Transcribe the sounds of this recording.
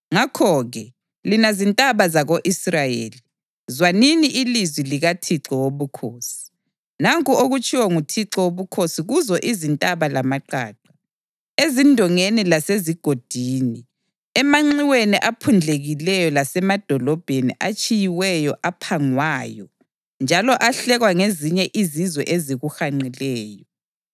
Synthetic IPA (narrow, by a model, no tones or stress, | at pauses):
ŋakʰɔɣɛ | linazintʼaβazaɣoʔisrajḛːli | zwaniniʔilizwiliɣatʰiǁɔwoβukʰoːsi̥ | naŋkʼuoɣut͡ʃʼʰiwɔŋutʰiǁɔwoβukʰosiɣuzɔʔizintʼaβalamaǃa̰ːǃa | ezindʱɔŋenilaseziɡ̥ʱod̥ʱiːni | ɛmaŋ͡ǀiweniʔapʰund͡ɮʱeɣilɛjɔlasɛmad̥ʱɔlɔb̥ʱenḭʔat͡ʃʼijiwɛjɔʔapʰaŋwaːjɔ | nd͡ʒʱalɔʔaɬɛɣwaŋeziɲɛʔizizwɛ̰ʔeziɣuxaŋ͡ǀilɛːjɔ